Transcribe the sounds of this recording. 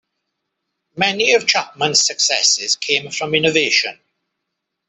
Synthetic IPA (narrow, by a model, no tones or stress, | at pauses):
mɛniəv̥t͡ʃʰap̚mə̃nz̥səksɛsɪz̥kʰẽɪ̃ɱfɹə̃mɪ̃nəveɪʃə̰̃n